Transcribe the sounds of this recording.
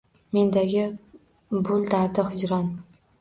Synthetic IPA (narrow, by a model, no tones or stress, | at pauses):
me̞nd̪aɡʲɪ | bʊlˠd̪aɾd̪ɪhʊd͡ʒɾɒn